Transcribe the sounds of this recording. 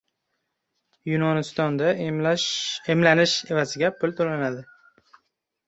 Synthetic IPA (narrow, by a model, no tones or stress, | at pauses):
junɒnɪst̪ɒnd̪a | emlanɪʃe̞vazɪɡʲapʰʊlt̪ʰolanad̪ɪ